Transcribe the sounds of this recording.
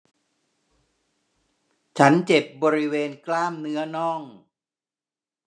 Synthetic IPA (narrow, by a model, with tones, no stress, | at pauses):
t͡ɕʰa˦˥nt͡ɕe˨˩p̚bɔː˧ɾi˦˥weː˧nklaː˥˩mnɯ˦˥ɐnɔ˥˩ŋ